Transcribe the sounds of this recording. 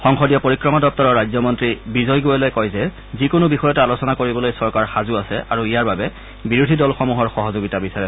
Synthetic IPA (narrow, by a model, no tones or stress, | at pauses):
xɔŋxɔdijɔpoɹikɹɔmadɔp̚tɔɹɔɹːajzɔmɔntɹibizɔjɡojɛlojkɔjzɛ | zikʊnʊbixɔjɔtaalosɔnakoɹibɔlojsɔɹkaɹxazuasɛʔaɹuijaɹbabɛ | biɹudʱidɔlxɔmuɦɔɹxɔɦɔzoɡitabisaɹɛ